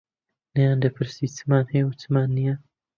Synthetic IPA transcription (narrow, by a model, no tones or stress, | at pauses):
nɛjaːnd̪ɐpʰɨɾsit͡sɨ̥maːnhɛjwut͡sɨmaːnːija